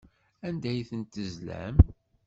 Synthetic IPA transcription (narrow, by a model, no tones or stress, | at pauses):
ænd̪æjθənt̪əzlæ̰m